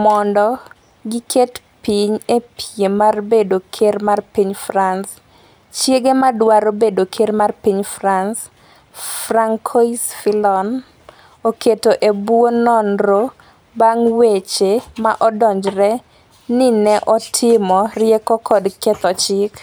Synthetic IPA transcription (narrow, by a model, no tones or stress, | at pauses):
mɔndɔ | ɡɪkʰet | piɲepijemarbedokʰermarpiɲfrans | t͡ʃjeɡemadwaɾobedokʰermarpiɲfrans | fraŋkʰoisfilɔn | oketoʔebwonɔnɾo | baŋwet͡ʃemaʔɔdɔɲd͡ʒɾɛ | nɪnɛʔɔtʰɪmɔrɪjɛkɔkɔdkɛt̪ɔt͡ʃɪk